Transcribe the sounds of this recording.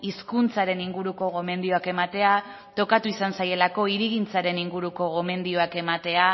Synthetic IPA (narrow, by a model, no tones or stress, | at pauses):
iskunt͡saɾe̞niŋɡuɾuko̞ɣo̞me̞nd̪io̞ake̞mat̪e̞a | t̪o̞kat̪uisansaje̞lako̞iɾiɣint͡saɾe̞niŋɡuɾuko̞ɣo̞me̞nd̪io̞ake̞mat̪e̞a